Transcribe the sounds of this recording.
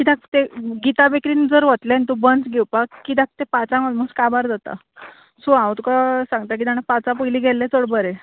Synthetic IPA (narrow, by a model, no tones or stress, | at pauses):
kid̪ak̚t̪eɡit̪abekɾiːnd͡zəɾʋət̪lent̪ubənt͡sɡɛwpakːid̪ak̚t̪epat͡sãməd̪muskabaɾd͡zat̪a̰ | suãwt̪ukasãŋɡt̪ak̬id̪añapat͡sapəjliːɡʱɛlːet͡soɽbəɾe